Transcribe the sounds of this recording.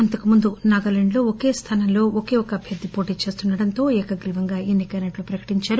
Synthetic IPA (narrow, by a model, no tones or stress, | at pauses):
ɐnt̪ɐkumund̪unaːɡɐleɳɖlo̞ːoke̞ːst̪ʰɐnɐmlo̞ːokeːokɐɐbʱjɐɾd̪ːipo̞ːʈiːt͡ʃe̞ːst̪unːɐɽɐnt̪o̞ːɛːkɐɡliʋɐŋɡaːenːikɐjnɐʈlupɾɐkɐ̥ʈiɲt͡ʃaːɾu